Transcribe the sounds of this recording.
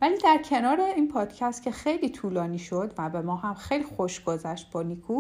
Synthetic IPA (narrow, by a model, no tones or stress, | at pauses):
væliːd̪æɾcʰe̞nɒːɾeiːnpʰɒːd̪̥cʰæst̪cʰʲe̞xe̞jliːt̪ʰuːlɒːniːʃo̞d̪væbe̞mɒːɦæmxejlixoʃɡ̥ozæʃt̪̚bɒːnikʰuː